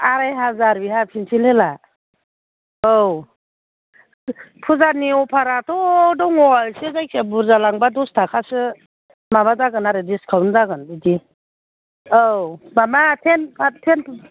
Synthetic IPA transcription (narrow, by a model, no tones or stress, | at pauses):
aɾajɦazaɾbiɦapʰinsʰilela | ow | pʰuzaniɔpʰaɾatʰɔdɔŋɔjsezajkʰebuɾzalaŋbadɔstʰakʰasɯ | mabazaɡɯnaɾɯdiskʰawnzaɡɯnbidi | owmamatʰenatʰenʰ